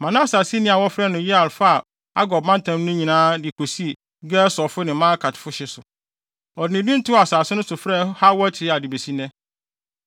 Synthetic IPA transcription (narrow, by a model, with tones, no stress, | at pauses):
mã˨nã˦˨saː˨si˦nɪ̃˦a˨wɔ˦fɾɛ˦nʊ̃˨ji˦a˨lfa˦a˨ | a̰˦ɡɔ˨b̚mã˦n˦tʰã˨˦m˦nʊ̃˦ɲĩ˨nãː˦dɪ˨kʰo˨si˦e˨ | ɡɛ˦sɔ˨fʊ˦nɪ̃˨mã˦kʰa˨tʰɪ̥˨fʊ˦ɕɪ˦sʊ˨ | ɔ˨dɪ˨nɪ̃˨dɪ̃˦n̩˦tʰʊ˦a˨saː˨sɪ˦nʊ̃˦sʊ˨fɾɛ˦ha˦wɔ˦t͡ɕʰɪ˨ɾɪ˦a˨dɪ˨be˨si˦nɛ̃˦